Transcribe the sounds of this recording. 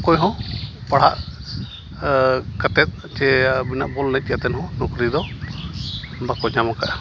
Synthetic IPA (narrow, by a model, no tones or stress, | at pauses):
kɔjɦɔ̃paɽ̤a̰ʔ | kat̪ɛt̪̚ | t͡ʃɛbina̰ʔbɔlnɛc̪̚tijat̪ɛnhɔ̃nukɾid̪ɔ | bakɔd͡ʒamaka̰ʔ